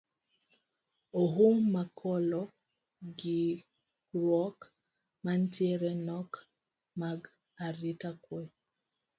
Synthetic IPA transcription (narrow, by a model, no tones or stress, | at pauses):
oɦumakʰɔlɔ | ɡi | ɾwɔk | mantjɛɾɛnɔk | maɡ | aɾitakwɛ